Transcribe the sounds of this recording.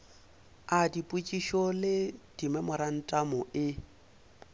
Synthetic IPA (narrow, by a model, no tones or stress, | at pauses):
adipʼut͡ʃʼiʃɔlɪd̥imɛmʊɾan̩tʼamʊʔɪ